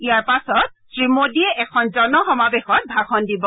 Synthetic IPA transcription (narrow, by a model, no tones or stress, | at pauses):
ijaɹpasɔt̚tɹimodiɛʔɛkʰɔnzɔnɔxɔmabexɔt̚bʱakʰɔndibɔ